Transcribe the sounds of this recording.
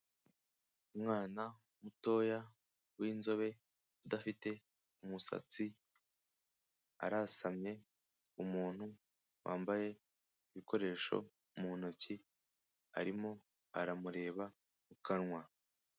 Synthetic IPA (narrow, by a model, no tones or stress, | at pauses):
umŋaːna | muto̞ːja | wiːnzo̞βe̞ | udafite̞ | umusa̰t͡si | a̰ɾasamɲe̞ | umuːn̥hu | wʔa̰ːmbaje̞ | iβiko̞ɾe̞ːʃo̞̰ | munoci | a̰ɾimo̞ | a̰ɾamuɾe̞ːβa | mukʰanŋwa